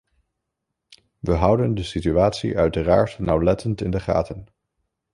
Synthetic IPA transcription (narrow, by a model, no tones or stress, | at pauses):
ʋəɦʌwdəndəsityaːtsḭʔœɥtəraːɹtnawlɛtəntɪndəχa̰ːtən